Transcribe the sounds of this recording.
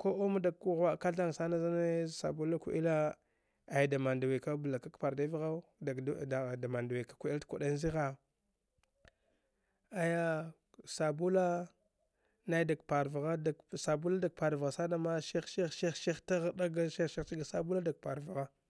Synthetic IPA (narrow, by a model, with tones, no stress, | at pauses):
ko˦ʔo˦ma˦da˨u˦ɣa˦ka˦ɬa˦ŋ˨sa˦na˦za˦na˦sa̰˨bu˦la˦kʷṵ˨ʔi˦la˦ | a˨jda˨ma˨nda˨wi˨ka˦bla˨ka˦kpa˨ɾda˦vɣa˦da˨a˨da˨ma˨nda˨wi˨kḁ˨kʷu˦i˦lkʷu˨ɗa˦n˦zi˦ɣa˨ | a˨ja˦ | sa˨bu˦la˦ | na˦jda˨kpa˨ɾva˨ɣa˦dsa˨bu˦la˦da˨k̚pa˨ɾva˨ɣa˨sa˦na˦ma˦ʃi˦xʃi˦ʃi˦xʃi˦xta˦ɣa˨da˦ɡa˦ʃi˦ʃi˦ɡa˨sa˨bu˦la˦da˨kpa˨ɾva˨ɣa˦